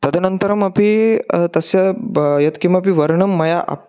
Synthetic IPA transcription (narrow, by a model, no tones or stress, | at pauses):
t̪ɐd̪ənənt̪əɾɐmɐpit̪ɐsjajɐt̪kĩwʋapiʋəɾɳɐmːɐjaʔa̰p̚